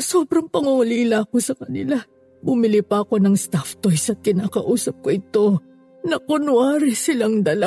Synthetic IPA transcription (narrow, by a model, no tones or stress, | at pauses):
so̞ːbɾɐŋpɐŋʊŋʊliːlaɐko̞sɐkɐnɪ̰la | bʊmɪlipɐɐko̞nɐŋst̪aft̪ojsɐt̪̚kɪnaːkɐʔuːsɐp̚ko̞ʔɪt̪o̞ | nɐkonʊaːɾɪsɪlaŋd̪ɐla